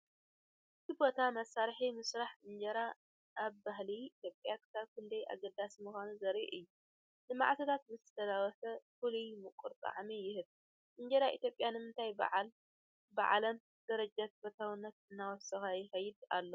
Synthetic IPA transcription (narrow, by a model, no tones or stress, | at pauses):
ʔ | ɨt̪ʰibo̞t̪ʰamɐsaɾħimɨsɾaħɨɲd͡ʒɐɾa | ʔaβbaɦliːt̪ʰjopʼjakʰɨ̥saβkʰɨnd̪ɐjʔa̰ɡɐd̪ːasimuxanuzɐɾḭʔɨjːu | nɨma̰ʕt̪ʰɐt̪ʰat̪̚bɨzɨt̪ʰɐlawɔsɐfulujmɨkʼuɾt̪ʼa̰ʕmijɪhɨβ | ʔɨɲd͡ʒɐɾaʔit̪jo̞pʼjanɨmɨnt̪ʰajba̰ʕl | ba̰ʕlɐm | d̪̥ɐɾɐd͡ʒat̪bɐt̪ʰawɨnːɐt̪̚ɨnːawɔsɐxajɪxɐjːɪd̪a̰lːo